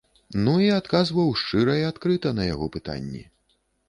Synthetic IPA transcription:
nuiat̪kazvɐwʂt͡ʂɨɾɐjiat̪kɾɨt̪ɐnɐjaɣɔpɨt̪a̰nʲːɛ̰

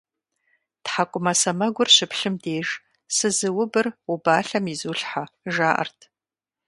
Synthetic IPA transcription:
tħakʷʼʊmɐsɐmɐɡʷʊrɕɪpʰɬɨmdeːʒ | sɨzɨwʊbɨrubaːɬɐmizuːɬħaʒaːʔɐ̰rtʰ

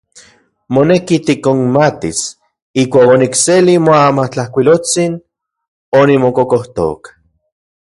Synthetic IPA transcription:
monekit̪ikoŋmat̪is | ihkʷaːkonikselimoamat͡ɬahkʷilot͡sin | onimokokoht̪o̰k

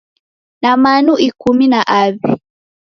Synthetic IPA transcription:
namanuʔikuminaʔaβi

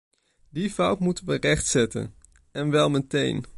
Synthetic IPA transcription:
difʌwtmutənʋərɛχtsɛtə̰n | ɛnʋɛlˠmətḛjn

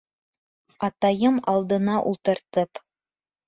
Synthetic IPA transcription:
ɑt̪ɑjɤmɑlˠd̪ɤ̆nɑʔṵlˠt̪ɤ̆ɾt̪ɤp

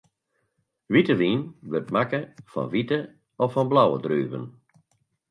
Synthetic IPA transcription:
ʋitəʋiːnʋørtmakəfɔ̰nʋitə | ɔfɔnblawə̰dryːvə̰n

